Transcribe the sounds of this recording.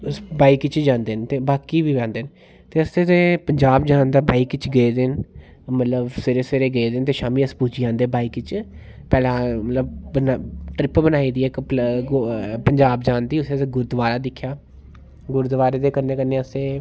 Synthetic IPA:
sbaːiːkɪt͡ʃd͡ʒãːnd̪eːnt̪eːbaːkiːʋiːʋɛ̃ːnd̪eːn | t̪eːəseːt̪eːpəɲd͡ʒaːbd͡ʒãːnd̪aːbaːiːkɪt͡ʃɡəeːd̪eːn | mət̪ləbseɾeːseɾeːɡəeːd̪eːnt̪eːʃaːmiːəspuːd͡ʒiːãːnd̪eːbaːiːkɪt͡ʃ | pɛːlãːmət̪ləb̚bənʈɾɪpbənaːiːd̪iːɛːkpɡpəɲd͡ʒaːbd͡ʒãːnd̪iːʊsẽt̪eːɡʊɾd̪ʋaːɾaːd̪ɪkʰːjaː | ɡʊɾd̪ʋaːɾeːd̪eːkənːeːkəneːəseː

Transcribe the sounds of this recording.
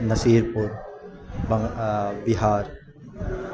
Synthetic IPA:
nɐsiːɾpuɾ | bɐŋbɪɦaːɾ

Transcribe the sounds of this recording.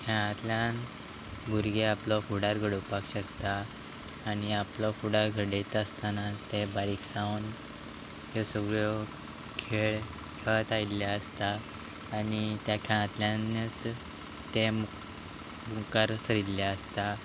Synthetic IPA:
kʰɛɭ̃ãt̪ljan | bʱuɾɡeaplɔfuɽaɾɡʱəɽupakɕəkt̪aː | ñiaplɔfuɽaɾɡʱəɽet̪əst̪anat̪ebaɾiksãwn | jɔsəɡɾɔ | kʰeɭ | kʰəɭt̪ailːjaəst̪aː | ɽit̪jakʰɛɭ̃ãt̪ljãnːət͡s | t̪emu | mukaɾsəɾilljaəst̪a

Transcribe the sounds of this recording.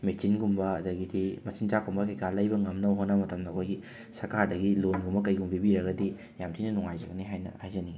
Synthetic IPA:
mek̚sinɡumbɐːdɐɡidimɐsint͡ʃakumbɐkɐjkʰalɐjbɐŋɐmnɐwɦonːɐmɐtɐmdɐːkʰojɡi | sɐɾkʰaɾdɐɡilonɡumbɐkɐjɡumbibiɾɐɡɐdi | jamtʰinɐnuŋajzɐɡɐniɦajnɐ̰ajzɐni

